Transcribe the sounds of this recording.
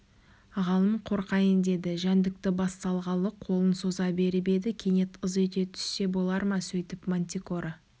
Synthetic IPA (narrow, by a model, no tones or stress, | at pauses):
ʁɑlˠəmqʰo̞ɾqɑjənd̪e̞d̪ɪʒænd̪ɪk̚t̪ɪbɑst̪ɑlˠʁɑlˠəqʰo̞lˠənso̞zɑbe̞ɾɪbe̞d̪ɪkʲʰe̞ne̞t̪əzet̪e̞t̪ʰʏ̥sːe̞bo̞lˠɑɾmɑsɵjt̪ɪpmonʲt̪ʲiko̞ɾə